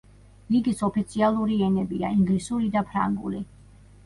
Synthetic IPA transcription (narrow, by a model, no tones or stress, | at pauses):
ɾiɡisɔpʰit̪sʰialˠuɾiɛnɛbia̰iŋɡlisuɾid̪apʰɾa̰ŋɡṵli